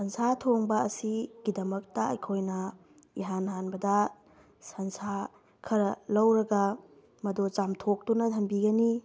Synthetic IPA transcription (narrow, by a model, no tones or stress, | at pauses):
sɐnsatʰoŋbɐɐsiɡ̥idɐmɐk̚tɐɐ̰jkʰojnɐ | iɦanɦanbɐdɐ | sɐnsa | kʰɐɾɐlɐwɾɐɡa | mɐdot͡ʃamtʰok̚tunɐtʰɐmbiɡɐni